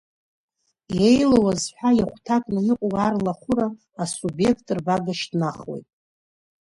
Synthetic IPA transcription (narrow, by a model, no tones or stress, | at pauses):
jejlawazħʷᶣajaχʷtʰakʼnajiqʷʼwarlaχʷʊɾaː | subje̞kʰtʼɨrbaɡaʃdnaχwḛjtʼ